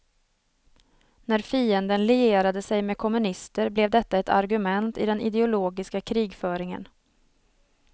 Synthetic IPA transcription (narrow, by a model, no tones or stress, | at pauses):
næɾfiːənd̪ənlɛeːɾad̪əsɛjmeːkʰɔmɵnɪst̪əɾblɛvd̪ɛt̪ːaɛt̪ʰa̰ɾɡɵmɛnt̪ɪ̰d̪ɛnʔɪ̰d̪ɛʊloːɡɪskakʰɾiːɡfœːɾɪŋə̰n